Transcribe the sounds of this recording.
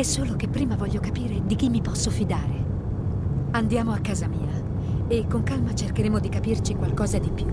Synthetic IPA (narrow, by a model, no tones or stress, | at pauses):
ɛsːoːlok̟epːɾiːmavɔʎːokapiːɾed̪ik̟imːipɔsːofid̪aːɾe | and̪jaːmoakːaːzamiːa | ekːoŋkalmat͡ʃerkeɾeːmod̪ikapirt͡ʃikwalkɔːzad̪ipːju